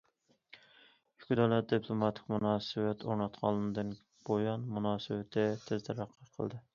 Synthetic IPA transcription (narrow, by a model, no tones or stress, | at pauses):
jykʲd̪ɑlˠɛt̪̚d̪ɨpʰlˠomɑt̪ʰɪ̥k̚ʲmunɑːsɨwɛt̪ʰoɾnɑt̪qʰɑ̰lˠːɨnɨd̪ɨn | b̥ojɑnmunɑːsɨwɪt̪ʰɪt̪ʰɪzd̪ɛɾɑqʰːəqʰə̰lˠd̪ɨ